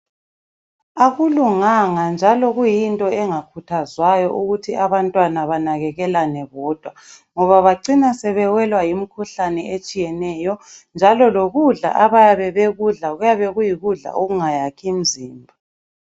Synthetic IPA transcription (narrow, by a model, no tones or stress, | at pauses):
aɣuluŋaŋand͡ʒʱalɔɣujintʼɔɛŋakʰutʰazwajɔʔuɣutʰiʔaβantʼwanaβanaɣɛɣɛlanɛβɔːd̥ʱwa | ŋɔβaβaǀinasɛβɛwɛlwajimikʰuɬanɛet͡ʃʼijɛnɛjɔnd͡ʒʱalɔloɣuɮa̰ʔaβajaβɛβeɣuɮaɣujaβɛɣujiɣuɮa̰ʔoɣuŋajakʰim̩ziːmbʱa